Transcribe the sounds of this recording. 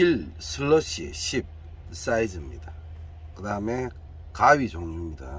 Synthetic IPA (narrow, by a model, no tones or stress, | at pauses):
ilsʰɯloɕiḛɕip̚ | s͈aid͡ʑɯmɲida | kɯdame | kawid͡ʑoŋɲimɲida̰